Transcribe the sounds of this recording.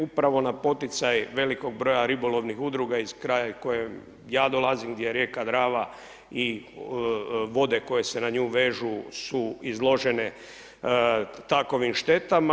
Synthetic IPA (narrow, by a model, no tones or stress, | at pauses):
upɾaʋo̞napo̞t̪it̪sajʋe̞liko̞ɡ̚bɾo̞jaɾibolo̞ʋnixud̪ɾuɡaizkɾajako̞jem | jaːd̪o̞lazimɡd̪jeɾje̞kad̪ɾaːʋa | i | ʋo̞d̪e̞ko̞je̞senaɲuːʋe̞ːʒusuizlˠo̞ʒene | t̪ako̞ʋimʃt̪e̞t̪am